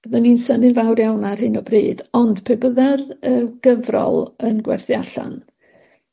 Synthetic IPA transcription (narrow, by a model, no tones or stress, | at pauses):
b̥əðəninsənɪnvawrjawnarɦɨnɔbriːdɔnd̥pʰebəðɛrəɡ̥əvrɔ̰lˠənɡwɛ̰rθjaɬa̰n